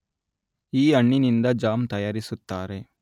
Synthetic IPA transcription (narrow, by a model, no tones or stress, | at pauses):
iːɐɳːinind̪ɐd͡ʒaːmt̪ɐjaːɾisut̪ːaːɾe